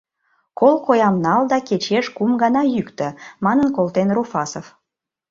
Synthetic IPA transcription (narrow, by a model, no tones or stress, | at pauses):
kolkojɑmnɑld̪ɑket͡ɕeʃkumɡɑnɑjykt̪ə̆mɑnənkolt̪enrofɑsof